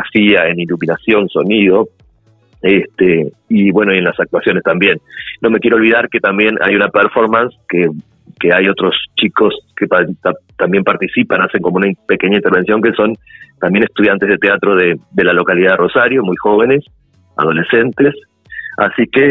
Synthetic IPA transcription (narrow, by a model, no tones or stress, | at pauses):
asiae̞nilumĩnasjo̞nso̞niðo̞ | est̪e | iβwe̞noie̞nlasak̚t̪wasjo̞nest̪ambje̞nːo̞mekjeɾolβ̞iðaɾket̪ambje̞nʔa̰junapeɾfo̞ɾmãnske | keajo̞t̪ɾo̞st͡ʃiko̞skepaat̪ambje̞mpaɾt̪isipanase̞ŋko̞mounaipe̞ke̞ɲaint̪eɾβe̞nsjo̞ŋkeso̞nt̪ambje̞nest̪uð̞jant̪eð̞et̪eat̪ɾo̞ðed̪e̞lalo̞kaliðaðero̞saɾjo̞mujxo̞β̞e̞ne̞s | a̰ð̞o̞le̞se̞nt̪es | a̰sike